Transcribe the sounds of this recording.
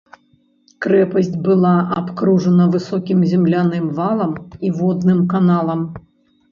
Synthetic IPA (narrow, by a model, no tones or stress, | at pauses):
kɾɛpɐsʲt͡sʲbɨlˠaʔapkɾuʐɐnɐvɨsɔkʲimzʲɛmlʲanɨmvalˠɐmivɔd̪nɨmkanalˠɐm